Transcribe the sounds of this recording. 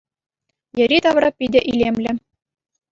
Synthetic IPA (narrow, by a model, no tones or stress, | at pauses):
jɘ̆ɾʲit̪ɑʋrɑpʲidʲɘ̆ʔilʲemlʲɘ̆